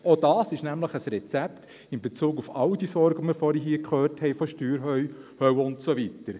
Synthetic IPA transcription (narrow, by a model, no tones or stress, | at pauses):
od̥ɑːsɪʃnæmləχəsɾɛt͡sɛpt | ɪnbet͡suːɡufɑʊd̥isɔɾɡəməɾfɔɾiɦiːkχøːɾthɛɪfoʃtyːɾɦœhœwʊntsovitəɾ